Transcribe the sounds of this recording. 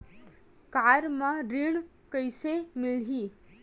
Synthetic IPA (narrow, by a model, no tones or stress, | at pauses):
kaɾmãɾiɳ | kəjsemilɦiː